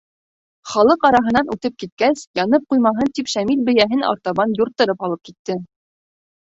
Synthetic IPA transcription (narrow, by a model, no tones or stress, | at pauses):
χɑlˠɤqɑɾɑɦɤ̆nɑnʔʉt̪ɘp̚kit̪̚kæsjɑnɤp̚qujmɑɦɤnt̪ipʃæmilbɘ̆jæɦɘnɑ̰ɾt̪ɑβɑnjuɾt̪ːɤ̆ɾɤpɑlˠɤp̚kit̪ːɘ